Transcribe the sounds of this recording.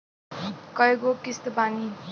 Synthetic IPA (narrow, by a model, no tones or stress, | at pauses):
kʌjɡokist̪əbaŋi